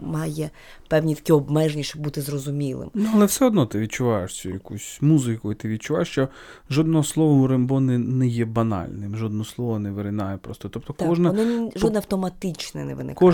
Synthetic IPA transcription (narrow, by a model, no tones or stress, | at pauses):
mɑjɛ | pɛwnʲit̪ɐ̥kʲiɔbmɛʒenʲiʃt͡ʃɔb̚but̪ɪzrɔzʊmʲilˠɪ̰mnɐlˠɛfsɛɔd̪nɔt̪ɪʋʲid̪̚ʲt͡ʃʊʋɑjeʂt͡sʲujɐkusʲmuzɪkʊjɪt̪ɪʋʲid̪̚t͡ʃʊʋa̰jeʃt͡ʃɔ | ʒɔd̪̚nɔɦɔslˠɔʋɔʊɾembɔnɪnɛjɛbɐnɑ̰lʲnɪmʒɔd̪nɔɦɔslˠɔʋɔnɛʋeɾɪnɑjɛpɾɔst̪ɔt̪ɔp̚t̪ɔk̪ɔʒnɐnnɔʒɔd̪nɛɐwt̪ɔmɐt̪ɪt͡ʃnɛ̰nɛ̰ʋɪ̰nɪ̰kɔ